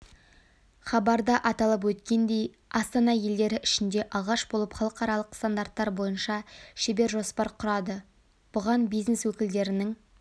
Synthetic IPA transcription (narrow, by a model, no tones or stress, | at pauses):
χɑbɑɾd̪ɑʔɑt̪ɑlˠəp̬wɵt̪kʲe̞nd̪e̞j | ɑst̪ɑnɑje̞ld̪e̞ɾɪʔɪʃɪnd̪e̞ʔɑlˠʁɑʃbo̞lˠəpχɑlˠəqɑɾɑlˠəqst̪and̪aɾt̪ːɑɾbo̞jənʃɑʃe̞be̞ɾʒo̞spɑɾqʰʊɾɑd̪ə | b̥ʊʁɑnbijzneswɵkʲɪld̪e̞ɾɪnɪŋ